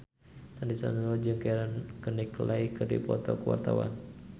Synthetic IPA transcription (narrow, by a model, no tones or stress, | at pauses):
sandisa̰nanɔd͡ʒɨŋkajaɾankəniklaikɨrdḭpɔt̪ɔkəwa̰rt̪awa̰n